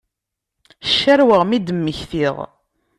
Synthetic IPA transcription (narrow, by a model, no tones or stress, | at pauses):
ʃːæɾwəʁmid̪əmːəçθiʁ